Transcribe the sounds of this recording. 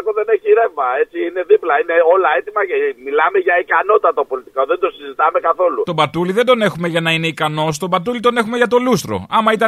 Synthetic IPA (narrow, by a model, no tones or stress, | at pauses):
k̪oðe̞neçiɾe̞vmɐet͡siine̞ðiplɐine̞o̞lɐe̞t̪imɐcemilɐme̞ʝɐikɐno̞t̪ːɐt̪opo̞lit̪ikoðe̞nd̪o̞sizit̪ɐme̞kɐθo̞lut̪o̞bɐt̪uliðed̪o̞ne̞xume̞ʝɐnɐine̞ikɐno̞st̪o̞bɐt̪ulit̪o̞ne̞xume̞ʝɐt̪o̞lust̪ɾo̰ɐmɐit̪ɐ